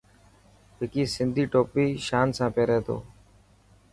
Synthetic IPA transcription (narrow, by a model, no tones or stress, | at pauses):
ɦɪkiːsɪnd̪ʱiːʈoːpiːʃaːnsãːpeːɾeːt̪o̰ː